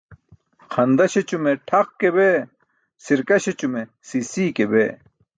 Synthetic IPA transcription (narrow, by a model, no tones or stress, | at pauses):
xʰɐnd̪ɐɕet͡ɕumeʈʰɐqkebe | siɾkɐɕet͡ɕume | siːsiːkebeː